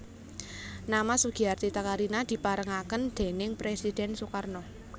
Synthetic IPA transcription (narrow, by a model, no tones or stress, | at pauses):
namasuɡ̥i̤art̪it̪akaɾinad̪̥i̤paɾəŋakənd̪̥e̤nɪŋpɾesid̪̥ɛnsukarnɔ